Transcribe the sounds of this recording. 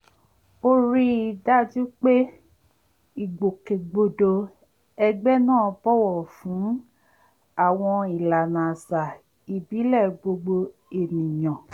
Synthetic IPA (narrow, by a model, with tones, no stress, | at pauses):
o˧ɾi˦i˨da˦d͡ʒi˦k͡pe˦ | i˦˨ɡ͡bo˨ke˨ɡ͡bo˧do˧ | ɛ˧ɡ͡bɛ˦nãː˦˨˧bɔ˦wɔ˨fũ˨˦ | a˦˨w̃ɔ̃˧i˨la˨nã˨sa˨ | i˨bi˨˦lɛ˦˨ɡ͡bo˧ɡ͡bo˧ | e˨nĩ˨j̃ɔ̃˨